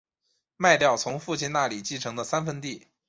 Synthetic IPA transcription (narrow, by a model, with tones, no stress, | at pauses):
ma˥˧ɪt̪jɑ˥˩ʊt͡sʰʊ˧˥ŋfu˥˧t͡ɕʰi˥˧nna˥˩li˨˩t͡ɕi˥˩ʈ͡ʂʰɤ˧˥ŋd̪ə˧sa˥nfə˥nt̪i˥˩